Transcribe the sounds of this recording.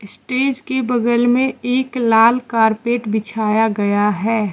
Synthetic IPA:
ɪsʈeːd͡ʒkebɐɡəlmẽeːklaːlkaːɾpeːʈbɪt͡ʃʰaːjaɡɐjaɦɛː

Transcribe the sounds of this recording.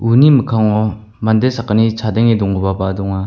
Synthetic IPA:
unimɯkʰaŋɔ | mandesakːanit͡sʰadeŋedɔŋɡɯbabadɔŋa

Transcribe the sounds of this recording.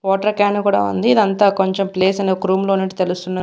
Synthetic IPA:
ʋɔːʈɐɾkaːnkuːɽa̰ːṵnd̪iːd̪ɐnt̪aːkoɲt͡ʃempleːs̬ɐnekɾuːmlo̞ːniɳʈit̪e̞lust̪unːaː

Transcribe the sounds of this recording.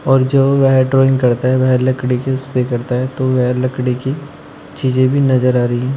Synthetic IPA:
ɔːɾd͡ʒoːʋɛɦɖɾoːɪ̃ŋɡkɐɾt̪aɦɛʋɛɦlɐkɽikeʊspekɐɾt̪aɦɛt̪oʋɛɦlɐkɽeki | t͡ʃiːzẽbʱinɐzəɾaːɾɐiɦɛ̃ː

